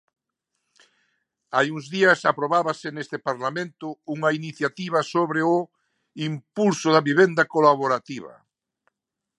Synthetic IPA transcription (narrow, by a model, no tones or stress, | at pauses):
ajuŋzðiɐsapɾoβaβɐsɪnest̪ɪpaɾlamẽnt̪ʊuŋɐiniθjat̪iβ̞ɐsoβɾeʊ | impulsʊðɐβiβend̪ɐkolaβoɾat̪iβɐ̰